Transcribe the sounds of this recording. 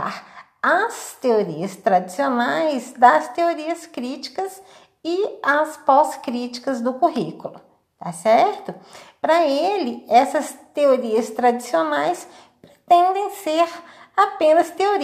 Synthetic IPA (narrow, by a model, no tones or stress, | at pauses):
a̰ɾ | ɐst̪eoɾiɐst̪ɾad͡ʒ̪isionajzd̪ɐst̪eoɾiɐskɾit͡ʃi̥kɐs | ɪɐspɔskɾit͡ʃi̥kɐzd̪ʊkuɦikulʊ | t̪asɛɾt̪ʊpɾɐelɪɛsɐst̪eoɾiɐst̪ɾad͡ʒ̪isionajs | pɾet̪ẽnd̪ẽj̃seɾ | apẽnɐst̪eoɾ